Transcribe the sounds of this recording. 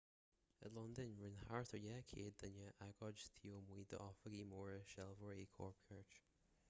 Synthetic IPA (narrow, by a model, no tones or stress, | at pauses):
ə̰lɔnd̪ənɹɪnhaɹt̪ʰəɹjɛkʰeːd̪ənəʔaɡɔd͡ʒst̪ʰioːmwiːd̪ə̰ʔɔfəɡiːmɔːɹəʃɛlˠvɔɹeːkʰɔ̰ɹpʰəɹt͡ʃ